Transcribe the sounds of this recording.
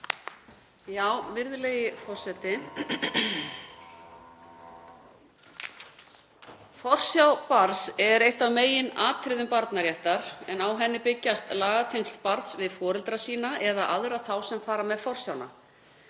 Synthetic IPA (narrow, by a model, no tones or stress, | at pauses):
jaːwvɪɾðʏleːjɪfɔr̥sɛt̪ɪ | fɔr̥sjawpaɾsɛɾejht̪avmeːjɪnaːt̪ʰɾɪðʏmpaɾt̪naɾjɛht̪aɾ̥ɛnawɦɛnːɪpɪcːast̪laːɣat̪ʰeŋst̪paɾt̪svɪðfɔːɾɪlt̪ɾasiːnaʔɛðaʔaðɾaθawsɛmfaːɾamɛðfɔr̥sjawna̰